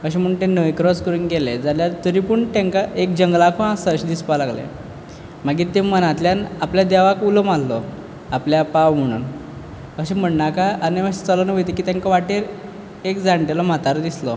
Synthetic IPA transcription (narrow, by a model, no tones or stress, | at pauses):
əɕ̬em̤əɽunt̪enəʋjkɾɔskəɾunɡeled͡zaljaɾt̪əɾipuɳt̪ẽŋkaʔek̚d͡ʑəŋɡlakʰũasaɕd̪ispalaɡlḛ | m̤aɡiːt̪emənat̪ljanapljad̪ɛʋakulɔmalːɔ | apljapawm̤əɽ̃ṵːn | əɕem̤əɽnakaaniʋəɕet͡sələnʋəjt̪ekiːt̪jãŋkaʋaʈeɾ | ekd͡zãɳʈelɔm̤at̪aɾd̪islɔ